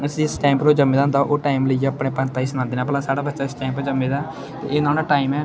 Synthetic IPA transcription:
əsĩɪsʈɛːmpɾoːd͡ʒəmːeːd̪ãːnd̪aʔoːʈaːimləiːeəpɽẽːpənt̪aːiːsnãːnd̪iːnaːbəlaːsaːɽaːbətːʃaːɪsʈaːmpod͡ʒəmːeːd̪aː | t̪ḛːeːnaːnaːʈaːɪmɛː

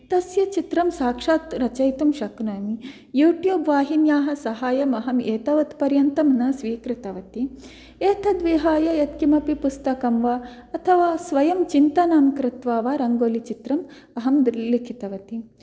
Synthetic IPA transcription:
t̪ɐsjɐt͡ʃit̪ɾɐmsaːkʂaːt̪ɾɐt͡ʃɐjt̪umʃɐknoːmi | juːʈjuːbʋaːɦinjaːɦɐsɐɦaːjɐmɐɦɐmeːt̪ɐʋɐt̪pɐɾjɐnt̪ɐmnɐsʋiːkɾɪt̪ɐʋɐt̪i | eːt̪ʰɐd̪ʋiɦaːjɐjɐt̪kimɐpipust̪ɐkɐmʋaː | ɐt̪ʰɐʋaːsʋɐjɐmt͡ʃint̪ɐnaːmkɾɪt̪ʋaːʋaːɾɐŋɡoːlit͡ʃit̪ɾɐm | ɐɦɐmd̪likʰit̪ɐʋɐt̪i

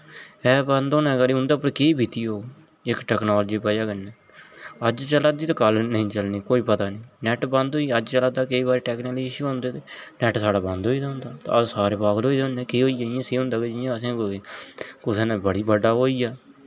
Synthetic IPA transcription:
ɛːbə̃nd̪oːnɛ̃ːɡəɾiːʊ̃nd̪aːpəɾkeiːbʱiːt̪iːɦoː | ɪkʈɛːknoːld͡ʒiːpɛːd͡ʒaːkənːɛː | əd͡ʒt͡ʃəlaːd̪iːt̪ːkəlnəĩːt͡ʃəlniːkoːiːpət̪aːnẽːnɛːʈbə̃nd̪oːiəd͡ʒt͡ʃəlaːd̪aːkəiːbaːɾeːʈɛːkniːklːd͡ʒiːʃiɦõːnd̪eːt̪eːnɛːʈsaːɽaːbə̃nd̪oːiːd̪aːʊ̃nd̪aːt̪a̰əsaːɾeːpaːɡəloːiːd̪aʊnɛ̃ːkeːɦoːiajãːseːɦʊ̃nd̪aːɡed͡ʒɪjãːəsẽː | kʊseːnẽːbəɽiːbəɖaːɦoːiːaː

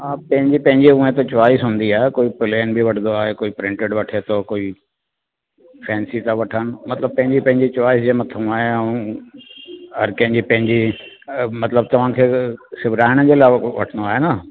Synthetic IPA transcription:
apɐ̃ɦɪ̃ɲd͡ʑipɐ̃ɦɪ̃ɲd͡ʑiũẽt̪at͡ɕʊʋaːisɦũːnd̪iaːɦekoːipɪleːnbʱiʋɐʈʰnd̪oaːɦekoːipɾɪ̃ɳʈeɖʋɐʈʰet̪ʰokoːi | fʰɛ̃ːnsit̪aʋɐʈʰənɪ̆mɐt̪ləb̚pɐ̃ɦɪ̃ɲd͡ʑipɐ̃ɦɪ̃ɲd͡ʑit͡ɕʊʋaːisd͡ʑemɐt̪ʰũaːɦeɐ̃ũ | ɦɐɾkɐ̃ɦɪ̃ɲd͡ʑipɐ̃ɦɪ̃ɲd͡ʑi | mɐt̪ləb̚t̪ɐʋ̤ãkʰeːsɪbʱɪɾaːɪɽ̃əd͡ʑeːlaːʋɐ̰ʈʰənoaːɦena

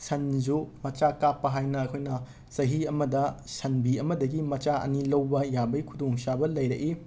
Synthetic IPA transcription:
sɐnzumɐt͡ʃakapːɐɦajnɐːkʰojnɐ | sɐɦiɐmɐdɐsɐnbiɐmɐdɐɡimɐt͡ʃaɐ̰nilɐwbɐjabɐjkʰudoŋsabɐlɐjɾɐʔi

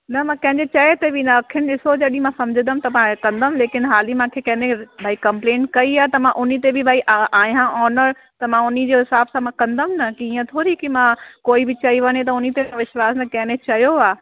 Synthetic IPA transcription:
nɐmãkɐ̃ɦɪ̃ɲd͡ʑet͡ɕɐet̪ebʱinɐɐkʰijənɪ̆ɗɪsod͡ʑɐɗĩmãsɐ̃md͡ʑʱɪnd̪əmt̪ɐmãkɐ̃nd̪əmleːkɪnɦaːlimãkʰekɐ̃ɦnẽbʱaːikɐ̃mplẽːnʈkɐiaːt̪ɐmãʔʊnit̪ebʱɪbʱaːiʔaʔaːijãʔɔːnəɾ | t̪ɐmãʊnid͡ʑoɦɪsaːbsãmãkɐ̃nd̪əmnɐkiiːə̃t̪ʰoːɾikimãkoːibʱɪt͡ɕɐiʋɐɲet̪̬ɐʊnit̪eãʋɪʃwaːsnɐkɐ̃ɦɪ̃nẽt͡ɕɐjoaː

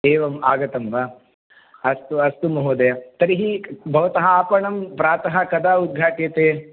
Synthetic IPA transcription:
eːʋɐmaːɡɐt̪ɐmʋɐ | ɐst̪uɐst̪umɐɦud̪ɐjɐt̪ɐɾiɦibʱɐʋɐt̪ɐɦɐaːpɐɳɐmpɾaːt̪ɐɦɐkɐd̪aːud̪̚ɡʱaːʈjɐt̪eː

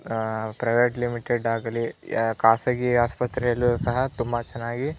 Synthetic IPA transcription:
pɾɐjʋeːʈlimiʈeɖaːɡɐlikaːsɐɡiaːspɐt̪ɾɛjɐlːusɐɦɐt̪umbɐt͡ʃɛnːaːɡi

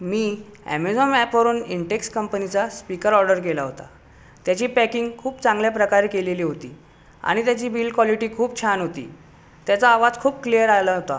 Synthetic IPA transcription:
miːæ̰med͡zɔmɛpʋəɾuːniɳɖekskəmpənit͡saspikəɾɔɾɖəɾk̬elaɦot̪a̰ | t̪jat͡ɕiːpækiŋɡkʰuːpt͡sãŋɡljapɾəkaɾekeleliːɦot̪ḭː | a̰ɽ̃it̪jat͡ɕiːbʱiːlkʋaliʈiːkʰuːp̚t͡ɕʰanɦot̪ḭː | t̪jat͡saːʋad͡zkʰuːbklijəɾajlaɦot̪a

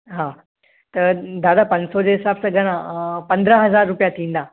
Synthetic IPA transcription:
ɦaː | t̪ɐd̪aːd̪apɐ̃ɲd͡ʑsod͡ʑeːɦɪsaːbsãɡʱɐɽ̃ãpɐ̃nd̪ɾəɦɐzaːɾːʊpijat̪ʰĩːnd̪aː

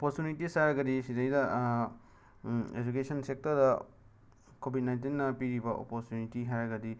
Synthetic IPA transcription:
opoɾtjunitisajɾɐɡɐdisidejdɐ | ed͡ʒukesʰɐnsek̚tɐɾdɐ | kobʱit̚najnt̬inːɐpiɾibɐʔo̰poɾtjunitiɦajɾɐɡɐdi

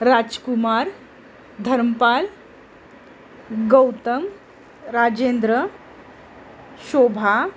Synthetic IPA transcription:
ɾad͡ʒkumaɾ | d̪ʱəɾməpal | ɡəwt̪əm | ɾad͡ʑend̪ɾə | ʃobʱa

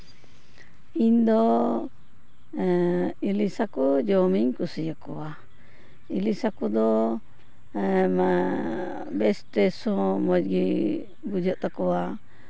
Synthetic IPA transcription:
ind̪ɔ | ilisakud͡ʒɔmiɲkusijakɔa | ilisakud̪ɔ | ma | bɛsʈɾɛsɔmɔd͡ʒɡi | ɡud͡ʒɔʔt̪akɔwa

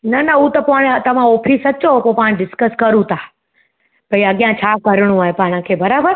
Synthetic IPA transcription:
nɐnɐut̪ɐpoɽ̃t̪ɐʋ̤ãɔːfʰiːsɐt͡ɕopopaːɽ̃ɖɪskəskɐɾũt̪ʰaː | pɐiɐɠijãt͡ɕʰaːkɐɾɽ̃ũaːɦepaːɽ̃ə̃kʰeːbɐɾaːbəɾ

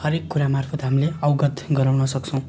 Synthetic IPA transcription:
hʌɾekːuɾamarpʰʌt̪ɦamileʌwɡʌt̪ɡʌɾawnʌsʌk̚t͡sʰʌ̃w̃

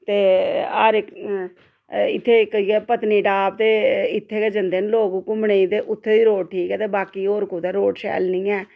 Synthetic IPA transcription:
t̪eːaːɾe | ɪt̪ʰːeːkəiːɛːpət̪niːɖaːp̚t̪eːɪt̪ʰːeːkɛːd͡ʒənd̪eːnloːɡuːkʊmɳeiːt̪eːʔʊt̪ʰːeːʋiːɾoːʈʈʰiːkɛːt̪eːbaːkiːoːɾkuːt̪aːɾoːʈʃɛ̰ːlnɪ̃ːɛː

